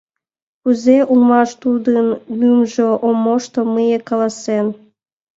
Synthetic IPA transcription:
kuzeʔulmɑʃt̪ud̪ənmymʒoʔomːoʃt̪oməjekɑlɑsen

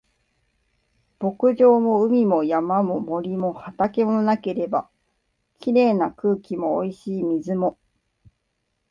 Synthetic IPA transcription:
b̥o̞kɯ̟ʑo̞ːmo̞ɯ̟mʲimo̞jamamo̞mo̞ɾʲimo̞hat̪ake̞monake̞ɾe̞ba | kʲiɾe̞ːnakɯ̟ːkʲimo̞̰ːiɕiːmʲizɨmo̞

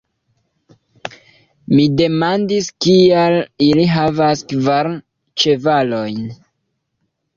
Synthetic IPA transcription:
mide̞mandiskialiliɦavaskvaɾ | t͡ʃe̞valo̞jn

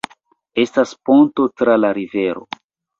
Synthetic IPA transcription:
e̞staspo̞nto̞tɾalaɾive̞ɾo̞̰

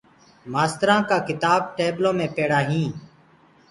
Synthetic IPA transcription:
maːst̪ɾãːkaːkɪt̪aːb̚ʈeːblõːmẽːpeːɽaːɦĩː

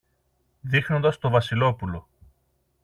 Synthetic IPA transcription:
ðixno̞nd̪ɐst̪o̞vɐsilo̞pulo̞

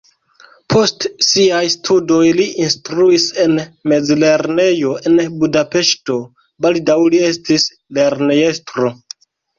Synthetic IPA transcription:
pʰo̞stsiajstʰudo̞jliʔinstɾuise̞nme̞d͡zle̞ɾne̞jo̞ʔe̞nbudape̞ʃto̞ | baldawlie̞stis | le̞ɾneje̞stɾo̞

